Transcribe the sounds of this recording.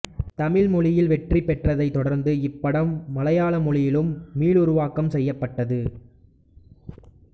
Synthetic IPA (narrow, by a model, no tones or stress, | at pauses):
t̪ɐmɪɭmɔɭɪjɪlʋɛʈripːɛʈrɐðɐɪt̪ːɔɽɐɾnd̪ɯɪpːɐɽɐmːɐlɐjaːɭɐmɔɭɪjɪlɯmːiːɭʊɾʊʋaːkɐmsɛjːɐpːɐʈːɐðɯ